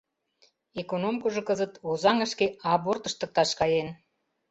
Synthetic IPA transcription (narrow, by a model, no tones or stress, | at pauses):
ekonomkoʒɤ̆kəzət̪ozɑŋəʃkeɑbort̪əʃt̪ə̆k̚t̪ɑʃkɑjen